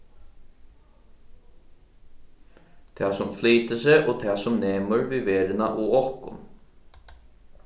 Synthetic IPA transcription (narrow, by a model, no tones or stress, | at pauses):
t̪ʰæːsɔmfliːt̪əseːʔoːt̪ʰæːsɔmneːmʉɹʋiʋeːɾənɑ̰ʔoːɔkʊ̰n